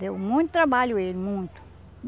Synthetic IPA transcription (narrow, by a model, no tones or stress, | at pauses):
d̪ewmũj̃t̪ʊt̪ɾabaʎʊelɪmũj̃t̪ʊ̥